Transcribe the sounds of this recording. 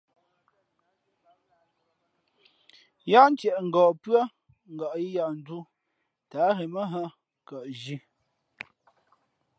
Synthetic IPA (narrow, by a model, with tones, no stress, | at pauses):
ja˦n˦tɛ˨ʔŋ̩˨ɡɔː˨pɰa˦ | ŋ̩˨ɡa˨ʔji˦ja˦˨ʔn̩˨˦du˦ | taː˨˦ɣe˨mə˦ɦə˦ | kə˨ʔʒi˦